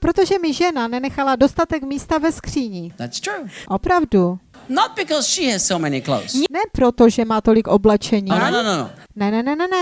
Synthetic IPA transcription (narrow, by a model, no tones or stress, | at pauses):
pɾo̞t̪o̞ʒɛmɪʒɛnanɛnɛxalado̞st̪at̪ɛkmiːst̪avɛskr̝̥iːɲiðætstʰɹ̥uʔo̞pɾavdunət̚b̥ɪkɔz̥ʃiɨz̥soʊmɛnikʰlo̰ʊsnɛpɾo̞t̪o̞ʒɛmaːt̪o̞lɪkʔo̞blɛt͡ʃɛɲinonono̰nɛnɛnɛnɛnɛ